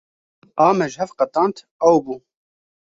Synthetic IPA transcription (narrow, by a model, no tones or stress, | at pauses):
ʔɑːmɛʒhɛfqɐt̪ɑːnt̪ʰ | ɐwbuː